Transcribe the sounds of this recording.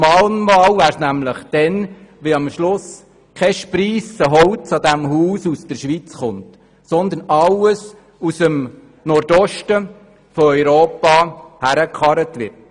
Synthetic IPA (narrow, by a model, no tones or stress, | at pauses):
mɑːlnmɑːwvæːɾsnæmləχd̥ɛnʋɪɑmʃlʊs | kʰɛʃpɾiːsəɦɔwt͡sɑd̪æmɦuːsusd̥əɾʃʋit͡sχʊnt | sɔnd̪ənɑwəs | usəm | nɔɾdɔʃtə | fɔœʏɾoːpɑhæɾəkχɑɾətʋɪrt